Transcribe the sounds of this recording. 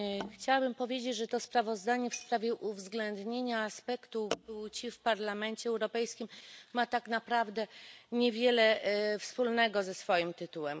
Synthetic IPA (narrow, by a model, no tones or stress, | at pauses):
xt͡ɕawabɘmpɔvʲjed͡ʑet͡ɕʐɛt̪ɔspɾavɔzd̪aɲɛfspɾavʲjɛʔuvzɡlɛnd̪ɲeɲaːspɛkt̪ubut͡ɕifpaɾlamɛnt͡ɕɛɛwɾɔpɛjskʲimːat̪aknapɾavd̪ɛɲɛvʲjɛlɛfspulnɛɡɔzɛsfɔjimt̪ɘt̪uwɛm